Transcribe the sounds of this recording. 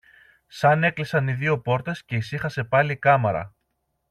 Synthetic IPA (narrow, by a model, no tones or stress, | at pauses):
sɐne̞klisɐniðio̞po̞ɾt̪e̞sce̞isixɐse̞pɐlikɐmɐɾɐ̰